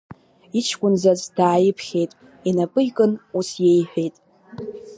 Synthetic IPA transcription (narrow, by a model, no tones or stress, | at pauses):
it͡ʃʰkʷʼʊnzazd̥aːjɪpʰχʲe̞jtʼ | inapʼɨjkʼɨnusje̞jħʷᶣe̞jtʼ